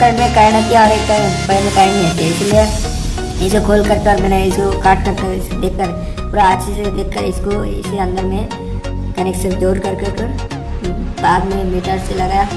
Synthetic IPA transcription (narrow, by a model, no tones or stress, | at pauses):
kəʈmẽkaːɪnɐt̪iaɔːɾeːkpɐɦsẽkaːinĩet̪eɪselie | ɪskokʰoːlkɐɾt̪eɔːɾmɛːneɪskokaːʈ̚kɐɾke | d̪eːkʰːɐɾ | puːɾaːd͡ʒsised̪eːkʰːəɾɪskoɪ̰siɐ̃nd̪əɾmẽ | kɐneksɪɾfd̪oːɾkɐɾkekə | baːd̪mẽmiːʈəɾselɐɡaːja